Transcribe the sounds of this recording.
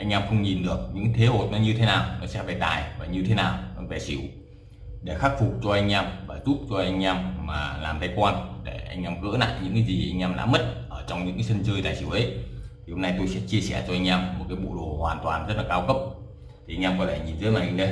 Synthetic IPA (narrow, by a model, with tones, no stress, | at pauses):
ʔa˧jŋ̟ʔɛː˧mxə˧wŋ͡mɲi˨˩nɗɨ˨˩ək̚ɲɨ̰˧˥ŋ˦t̪ʰe˨˦ho˨˩t̚nɔ˨˦ɲɨ˧t̪ʰe˨˦naː˨˩wnɔ˨˦sɛ̰˧˥va˨˩t̪a̰ː˨˩jvaː˨˩ɲɨ˧t̪ʰe˨˦naː˨˩wvɛ˧˩sḭ˧˩˦w | ɗe˧˩xa˦˥k̚fu˨˩k͡p̚t͡ɕɔ˧ʔa˧jŋ̟ʔɛː˧mvaː˨˩zu˦˥p̚t͡ɕɔ˧ʔa˧jŋ̟ʔɛː˧mːa̰ː˨˩laː˨˩mt̪ʰa˨˧jkwaː˧nɗe˧˩ʔa˧jŋ̟ʔɛː˧mɣə̰ː˧˥na̰ː˧˨jɲɨ̰˧˥ŋkaː˨˦jzi˨˩ʔa˧jŋ̟ʔɛː˧mɗa̰ː˧˥mə˦˥t̚ʔəː˧˩t͡ɕɔ˧wŋ͡mɲɨ̰˧˥ŋa˨˦sə˧nzəː˧jt̪aː˨˩jsḭ˧˩˨wʔə˨˦jt̪ʰi˨˩ho˧mna˧jt̪o˧jsɛ̰˧˥t͡ɕi˧əsɛ˧˩t͡ɕɔ˧ʔa˧jŋ̟ʔɛː˧mːo˨˩t̚kaː˨˦jɓo̰˧˨ɗo˧˩hwaː˨˩nt̪waː˨˩nzə˦˥t̚laː˨kaː˧wkə˦˥p̚ | t̪ʰi˨˩ʔa˧ŋ̟ʔɛː˧mkɔ˨˦t̪ʰe˧˩ɲi˨˩nzɨ̰ː˨˧˦maː˨˧˩ʔɲ˨˧ə˧j